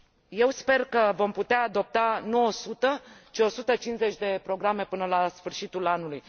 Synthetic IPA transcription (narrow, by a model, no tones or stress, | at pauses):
je̞wspe̞rkəvo̞mput̪eaːd̪o̞p̚t̪anuo̞sut̪ət͡ʃio̞sut̪ət͡ʃinze̞t͡ʃʲd̪e̞pɾo̞ɡɾame̞pɨnəlasfɨrʃit̪ulanuluj